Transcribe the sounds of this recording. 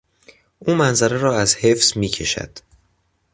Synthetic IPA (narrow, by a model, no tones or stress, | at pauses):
ʔuːmænzæɾeɾɒːæzhe̞fz̥miːcʰe̞ʃæ̰d̪̥